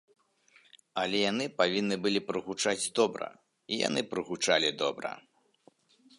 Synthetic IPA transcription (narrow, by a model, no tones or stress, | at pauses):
ɐlʲɛjanɨpavʲinːɨbɨlʲipɾɨɣut͡ʂad͡zʲd̪ɔbɾɐ̰ | ija̰nɨpɾɨɣut͡ʂalʲid̪ɔbɾɐ̰